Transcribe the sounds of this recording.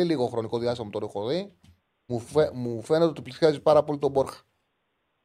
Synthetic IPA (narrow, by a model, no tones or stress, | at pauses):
iliɣo̞xɾo̞niko̞ðiɐst̪imɐt̪oɾokoði | umufe̞net̪eot̪iplisjɐzipɐɾɐpo̞lit̪o̞bo̞ɾxɐ̥